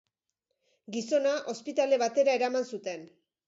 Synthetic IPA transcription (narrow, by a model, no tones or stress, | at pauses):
ɡiso̞naʔo̞spit̪ale̞βat̪e̞ɾae̞ɾamansut̪e̞n